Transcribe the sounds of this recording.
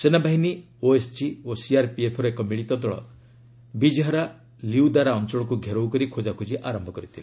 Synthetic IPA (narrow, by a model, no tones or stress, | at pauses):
senabaɦini | oest͡ʃiosiaɾpiepʰɔɾɔekɔmiɭit̪ɔt̪ɔɭɔ̰ | bid͡ʒɦɔɾa | liud̪aɾaɔnt͡ʃɔɭɔkuɡʱeɾowkɔɾikʰod͡ʒakʰud͡ʒiʔaɾɔmbʱɔkɔɾit̪ʰili